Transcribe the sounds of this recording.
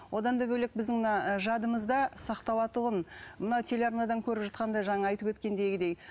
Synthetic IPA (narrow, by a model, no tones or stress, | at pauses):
wʔo̞d̪ɑnd̪ɑbɵlek̚bɪzd̪ɪŋmnɑʒɑd̪əməzd̪ɑsɑqt̪ɑlˠɑt̪ʊʁənmənɑwt̪ʰe̞lʲɑɾnɑd̪ɑŋkʲʰɵɾɪpʒɑt̪qɑnd̪ɑjʒɑɴɑɑjt̪əpwɵt̪kʲe̞nd̪e̞jɡʲɪd̪ej